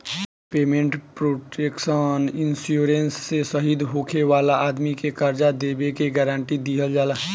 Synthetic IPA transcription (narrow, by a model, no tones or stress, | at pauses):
peːmẽɳʈpɾoːʈeːkʃənɪnsjuːɾensːesəɦid̪ɦoːkʰeʋaːlaʔaːd̪mikekəɾd͡ʒad̪eːbekeɡəɾãːɳʈid̪iɦəld͡ʒaːla